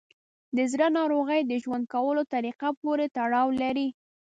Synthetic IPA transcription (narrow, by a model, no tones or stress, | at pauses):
d̪əzɾanɑɾoɣəjd̪əʒwand̪̚kawəlot̪aɾiqapoɾet̪aɽɑwlaɾi